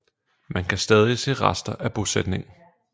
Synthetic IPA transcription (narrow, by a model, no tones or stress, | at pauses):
mænkʰæsd̥ɛːð̞ˠise̝̰ːʁɑsd̥ɐʔæb̥o̝sed̥ne̝ŋ̩